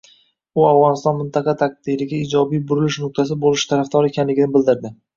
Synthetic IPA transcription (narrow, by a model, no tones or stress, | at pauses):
ʊavʁɒnɪst̪ɒnmɪnt̪ʰɑqɑt̪ʰaq̚d̪̥iɾɪɡʲaiːd͡ʒɒbijbʊɾɪlɪʃnʊq̚t̪ʰas̬ɪbolˠɪʃt̪ʰaɾafd̪ɒɾekʲʰanlɪɡʲɪnɪbɪld̪ɪɾd̪ɪ